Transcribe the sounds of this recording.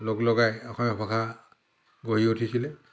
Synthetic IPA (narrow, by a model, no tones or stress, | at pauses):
loklɔɡajɔxʰɔmɔpʰɔkʰa | ɡojiutʰisilɛ